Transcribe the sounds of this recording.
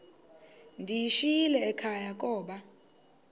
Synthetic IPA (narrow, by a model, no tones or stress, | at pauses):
ndʱijiʃilɛːkʰajak̬ʼɔːɓa